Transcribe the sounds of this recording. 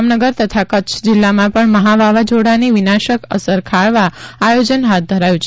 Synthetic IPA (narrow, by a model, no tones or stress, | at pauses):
mnəɡəɾt̪ət̪ʰakətːʃʰd͡ʒɪlːamãpəɳməɦaʋʱaʋad͡ʒoɽaniʋinaʃəkə̰səɾkʰaɭʋaːjod͡ʒənɦat̪̚d̪ʱəɾajũt͡ʃʰ